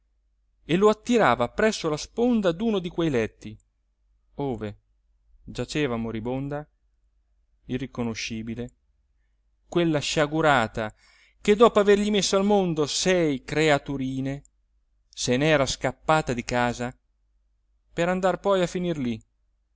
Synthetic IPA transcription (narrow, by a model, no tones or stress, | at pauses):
eloat̪ːiɾaːvapɾɛsːolaspond̪ad̪uːnod̪ikwɛjlɛt̪ːi | oːve | d͡ʒat͡ʃɛːvamoɾibond̪a | irːikonoʃːiːbile | kwelːaʃaɡuɾaːt̪a | k̟ed̪ɔːpoaverʎimesːoalmond̪osɛjkɾeat̪uɾiːne | senɛːɾaskapːaːt̪ad̪ikaːza | peɾand̪arpɔjafːinirli